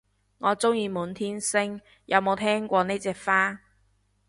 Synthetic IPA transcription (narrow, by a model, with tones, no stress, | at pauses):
ŋɔː˨˧t͡sʊ˥ŋjiː˧muː˨˥nt̪ʰiː˥nsɪ˥ŋ | jɐ˨˧wmo˨˧wt̪ʰɛː˥ŋkʷɔː˧ne˥jt͡sɛː˧kfaː˥